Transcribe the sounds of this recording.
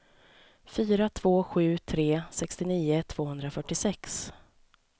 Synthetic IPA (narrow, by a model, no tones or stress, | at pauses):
fyːɾat̪ʰv̥oːɧʉ̟ːt̪ʰɾeːsɛkst̪ɪniːʊt̪ʰv̥oːhɵnd̪ɾafœʈːɪsɛks